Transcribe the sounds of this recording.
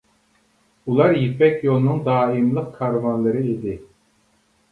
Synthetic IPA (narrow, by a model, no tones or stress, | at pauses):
ulˠɑɾjipʰɛkʲjolˠnuŋd̪ɑːimlˠɯq̚kʰɑɾvɑnlˠɨɾɨed̪ɪ